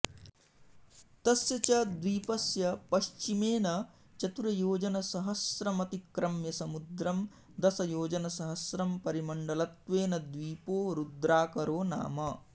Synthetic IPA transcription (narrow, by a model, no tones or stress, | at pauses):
t̪ɐsjɐt͡ʃɐd̪ʋiːpɐsjɐpɐʃt͡ʃimeːnɐ | t͡ʃɐt̪uɾɐjoːd͡ʒɐnɐsɐɦɐsɾɐmɐt̪ikɾɐmjɐsɐmud̪ɾɐm | d̪ɐsɐjoːd͡ʒɐnɐsɐɦɐsɾɐmpɐɾimɐɳɖɐlɐt̪ʋeːnɐd̪ʋiːpoːɾud̪ɾaːkɐɾoːna̰ːmɐ